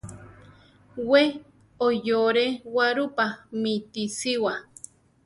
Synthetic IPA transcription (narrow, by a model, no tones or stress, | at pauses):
we | ojoɾewaɾupamit̪isiwa